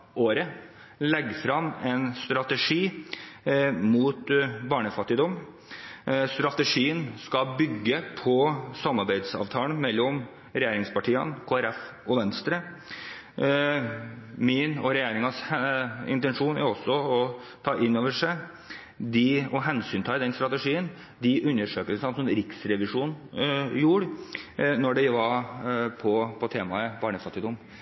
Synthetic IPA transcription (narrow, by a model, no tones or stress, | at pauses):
ʔoːɾə | lɛɡːfɾɑmɛnst̪ɾɑt̪əʂiː | muːt̪bɑːɳəfɑt̪ːɪd̪ɔm | st̪ɾɑt̪əʂiːənskɑbʏɡːəpʰɔsɑmːɑɾbæɪd̪sɑ̰ːʋt̪ʰɑːlənmɛlːɔm | ɾɛjeːɾɪŋspɑʈʰiːɑnkʰoːæɾɛfɔʋɛnst̪ɾə | mɪnɔɾɛjeːɾɪŋɑsɪ̰nt̪ɛnʂuːnæ̰ɾɔsːɔɔt̪ʰɑːʔɪnːoːʋəʂæɪ | d̪ɪɔɦɛnsyːnt̪ʰɑːɪd̪ɛnst̪ɾɑt̪ɛʂiːən | d̪ɪʔʉnːəʂøːkəlsɑnsɔmɾɪksɾɛʋɪʂuːnjuːɾ | nɔɖɛɪʋɑɾpʰɔpʰɔt̪ʰeːmɑəbɑːɳəfɑt̪ːɪd̪ʊm